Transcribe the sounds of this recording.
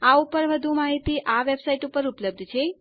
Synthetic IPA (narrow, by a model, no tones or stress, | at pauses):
aupəɾʋəd̪ʱumaɦit̪iʔaʋebsaiʈupəɾupləb̚d̪ʱt͡ʃʰe